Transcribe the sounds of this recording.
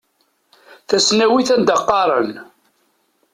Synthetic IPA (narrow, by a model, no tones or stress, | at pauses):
θæsnæwiθænd̪ɑqːɑɾˤən